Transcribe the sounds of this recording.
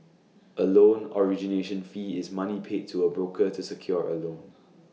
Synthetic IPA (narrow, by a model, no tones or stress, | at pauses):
ʔəlõnɔɹid͡ʒineʃə̃nfiːɪsmanipʰed̚tʰuəbɹokʰətusəkʰjɔɹə̰lõn